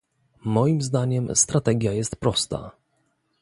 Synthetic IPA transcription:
mɔjimzd̪aɲɛmst̪ɾat̪ɛɡʲjajɛst̪pɾɔst̪a̰

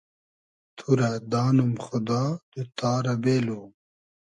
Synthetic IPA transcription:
t̪ʰuɾɐd̪aːnumxʊd̪aːd̪̥ut̪aːɾɐbeːlu

